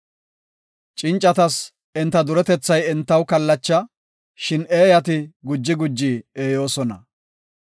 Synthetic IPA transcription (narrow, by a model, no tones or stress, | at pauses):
t͡ʃʼɪnt͡ʃʼːɐt̪ɐs | ɪnt̪ːɐd̪ʊɾɛt̪ɛt͡sːɐjɛnt̪ːɐwkɐlːɐt͡ʃːɐ | ʃɪne̞ːjɐt̪ɪɡʊd͡ʒːɪɡʊd͡ʒːieːjo̞ːsɔnɐ